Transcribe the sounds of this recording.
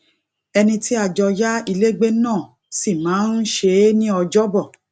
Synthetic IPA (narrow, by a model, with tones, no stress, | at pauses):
ɛ˧nĩ˧tʰi˦a˦˨d͡ʒɔ˧ja˦i˧le˦ɡ͡be˦nãː˦˨ | si˦˨mãː˨˦n̩˦ʃe˧˦nĩ˦ɔ˧d͡ʒɔ˦bɔ˦˨